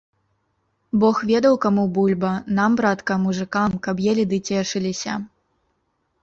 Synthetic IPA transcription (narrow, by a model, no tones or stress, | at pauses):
bɔxvʲɛd̪ɐwkamubulʲbɐnambɾat̪kɐmuʐɨkamkɐbjɛlʲid̪ɨt͡sʲɛʂɨlʲisʲɐ̰